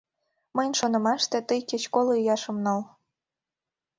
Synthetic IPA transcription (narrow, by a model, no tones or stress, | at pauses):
məjnʲʃonɤ̆mɑʃt̪ĕt̪əjkĕt͡ɕkoloyjɑʃɤ̆mnɑl